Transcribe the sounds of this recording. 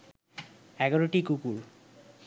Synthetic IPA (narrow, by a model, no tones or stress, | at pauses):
ɛɡaɹoʈikukuɾ